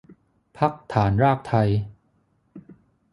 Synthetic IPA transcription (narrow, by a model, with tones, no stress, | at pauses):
pʰa˦˥k̚t̪ʰaː˩˦nɾaː˥˩k̚t̪ʰa˧j